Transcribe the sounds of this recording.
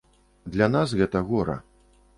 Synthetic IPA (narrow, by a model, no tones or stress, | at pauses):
d̪lʲɐnas̬ɣɛt̪ɐɣɔɾɐ̰